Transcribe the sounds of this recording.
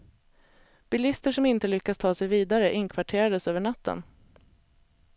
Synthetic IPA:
b̥ɪlɪst̪əʂɔmɪnt̪əlʏkːast̪ʰɑːsɛjviːd̪aɾəʔɪnkʰvaʈʰeːɾad̪əsøːvəɳat̪ʰːə̰n

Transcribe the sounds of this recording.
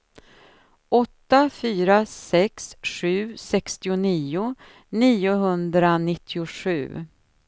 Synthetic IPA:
ʔɔt̪ːafyːɾasɛksɧʉ̟ːsɛkst̪ɪʊniːʊ | niːʊɦɵnd̪ɾanɪt̪ʰːɪʊʂʉ̟̰ː

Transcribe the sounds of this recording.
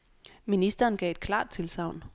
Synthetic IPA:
minisd̥ɐːnɡ̥ɛ̰ːe̝d̥̚kʰlɑ̰̈ːd̥̚t͡sʰe̝lsɑ̈ʊ̰n

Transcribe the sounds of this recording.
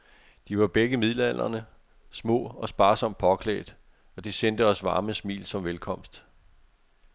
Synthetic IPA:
d̥iʋɑ̈b̥eɡ̥əmið̰ˠlæn̰ɐnə | smɔ̰̽ːɒ̽sb̥ɑ̈ːsɒ̽m̰d̥̚pʰɒ̽kʰlɛ̰ːd̥ | ɒ̽d̥isend̥əɒ̽sʋɑ̈ːməsmḭːlsɒ̽mʋelkʰɒ̽m̰sd̥

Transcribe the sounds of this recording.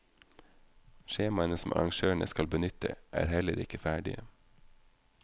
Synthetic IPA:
ʃeːmɑənəsm̩ɑ̰ɾɑŋʃøːɳəskɑlbənʏt̪ʰə̰ʔæ̰ːɾhɛləɾɪkəfæːɖɪə

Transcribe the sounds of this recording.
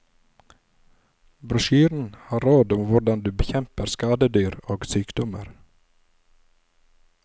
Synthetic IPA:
bɾʉʃyːɾn̩hɑːɾɾoːd̪ʊmʋʊɖɑnd̪ʉːbəçɛmpəɾskɑːd̪əd̪yːɾoːɡsyːkd̪ɔmə̰ɾ

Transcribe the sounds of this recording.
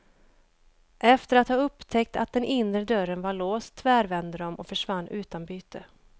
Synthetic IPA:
ʔɛft̪əɾat̪hɑːɵpːt̪ʰɛk̚t̪a̰t̪̚d̪ɛnʔɪnɾəd̪œɾənvaɭoːst̪ʰːvæːɾvɛnd̪əd̪ɔmʔɔkfœʂvanːʉ̟ːt̪anbyːt̪ʰə

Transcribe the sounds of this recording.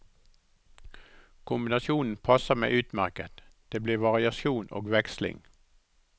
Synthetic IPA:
kʰʊmbɪnɑsjuːn̩pʰɑsəmḛːʔʉːt̪mæʁkət̪d̪̥eːbliːʋɑʁɪɑʃuːnʔo̰ːɡʋɛkslɪ̰ŋ

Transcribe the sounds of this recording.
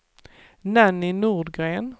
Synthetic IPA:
nænɪnuʁd̪ɡʁeːn

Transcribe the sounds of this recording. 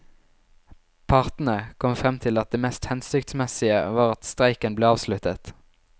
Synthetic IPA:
pʰɑʁt̪n̩əkʰɔmfʁɛmt̪ʰɪlɑt̪̚d̪eːmɛːst̪hɛnst̪ʏkt̪smɛsɪəʋɑːʁɑt̪st̪ʁæɪkənbleːɑːʋslʉt̪ət̪

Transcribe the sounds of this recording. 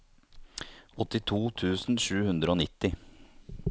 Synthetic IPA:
ɔt̪ɪt̪ʰuːt̪ʰʉːsn̩ʃʉːhʉnd̪ɾəoːnɪt̪ːɪ

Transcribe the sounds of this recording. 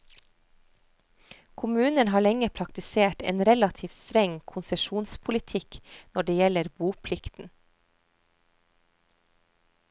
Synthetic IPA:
kʰʊmʉːnənhɑːɭɛŋəpʰɾɑkt̪ɪseːʈḛːnɾɛlɑt̪ʰiːfst̪ɾɛŋkʰʊnsəʃuːnspʰʊlɪt̪ʰɪknɔɖeːjɛləɾbuːpʰlɪkt̪n̩

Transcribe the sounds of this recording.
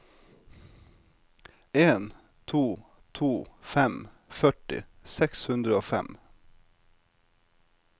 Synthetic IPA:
eːn | t̪ʰuː | t̪ʰuːfɛm | fœʈɪ̰sɛkshʉnd̪ɾəoːfɛ̰m

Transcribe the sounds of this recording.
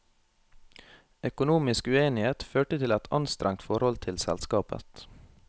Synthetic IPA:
œkʊnuːmɪskʉeːnɪheːt̪føːʈət̪ʰɪlɛt̪ʰɑ̰nst̪ɾɛŋt̪fɔɾhɔlt̪ʰɪlsɛ̰lskɑːpə̰t̪

